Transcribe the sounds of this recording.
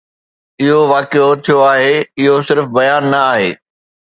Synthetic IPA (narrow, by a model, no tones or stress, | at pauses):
ɪɦoʋaːkeot̪ʰijoaːɦeɪɦosɪɾfbɐjaːnːɐaːɦḛː